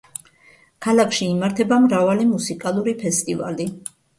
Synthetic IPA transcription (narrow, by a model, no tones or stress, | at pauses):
kʰalˠakʰʃiːmaɾt̪ʰɛbamɾavalimusikʼalˠuɾipʰɛst̪ʼiva̰li